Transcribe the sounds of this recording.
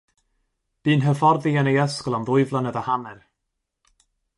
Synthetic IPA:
b̥iːnɦəfɔrðɪənejəskɔlˠanðʊɨvlˠanəðəhanɛr

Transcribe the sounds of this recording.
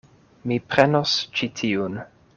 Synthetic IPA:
mipɾenost͡ʃitʰiun

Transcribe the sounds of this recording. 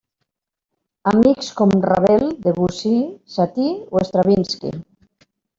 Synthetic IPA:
amikskomra̰βeld̪eβusisat̪ioest̪ɾaβinskḭ

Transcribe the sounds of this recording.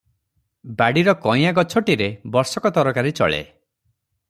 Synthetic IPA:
baɽiɾɔkɔj̃aɡɔt͡ʃʰɔʈiɾebɔɾsɔkɔt̪ɔɾɔkaɾit͡ʃɔ̰ɭḛ

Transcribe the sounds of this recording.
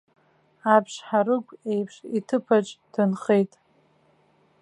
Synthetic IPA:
apʰʂħaɾɨkʷʰʼejpʰʂitʰɨpʰaʈ͡ʂʼd̥ʰɨnχejtʼ

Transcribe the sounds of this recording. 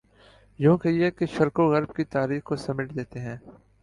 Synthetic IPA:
jõːkeikeʃɐɾkoɣɐɾb̚kit̪aːɾiːxkosɐmɪʈd̪eːt̪eɦɛ̃ː

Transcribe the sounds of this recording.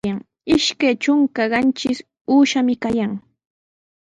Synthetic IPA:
aŋ | ɪʃkajt͡ʃʊŋkaɢɑnt͡ʃɪs | uːʃamɪkajaŋ

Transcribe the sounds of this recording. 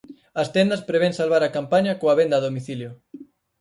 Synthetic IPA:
ɐst̪ɛnd̪ɐspɾeβ̞eŋsalβaɾɐkampaɲɐkoɐβend̪ɐaðomiθiljʊ

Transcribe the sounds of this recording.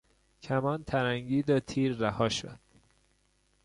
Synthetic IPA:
cʰæmɒːnt̪ʰæɾæŋɟiːd̪ɒt̪ʰiːɾːæhɒːʃo̰d̪̥̚

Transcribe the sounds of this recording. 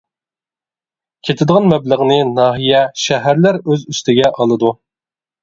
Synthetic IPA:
kʲʰet̪ʰɪd̪əʁɑnmɛbləʁnɨnɑːɦijɛʃæɦæɾlæɾøzyst̪ʰɪɡʲɛʔɑlˠɨd̪u

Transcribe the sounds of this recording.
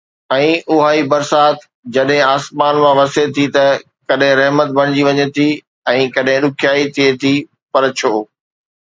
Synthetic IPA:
ɛ̃ːʔʊɦaːibɐɾsaːt̪ | d͡ʑɐɗɦɪ̃aːsmaːnmãʋɐset̪ʰit̪ɐ | kɐɗɦɪ̃ɾɐɦmət̪̚bɐɽ̃d͡ʑiʋɐɲet̪ʰi | ɛ̃ːkɐɗɦɪ̃ɗʊkʰjaːit̪ʰiet̪ʰi | pɐɾt͡ɕʰoː

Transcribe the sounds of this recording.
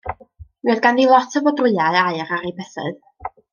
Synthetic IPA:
ɨːðɡanðilˠɔtʰəvɔdrɪjaɨaɨɾaɾibɛθɨ̰ð

